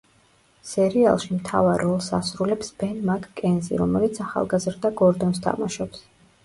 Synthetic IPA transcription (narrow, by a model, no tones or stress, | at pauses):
sɛɾia̰lˠʃimt̪ʰa̰vaɾɔlˠsa̰sɾulɛpsb̥ɛnmakʰʼkʼɛnzḭɾɔmɛlit̪sʰaχa̰lˠɡazɾd̪aɡɔɾd̪ɔnst̪ʰa̰maʃɔps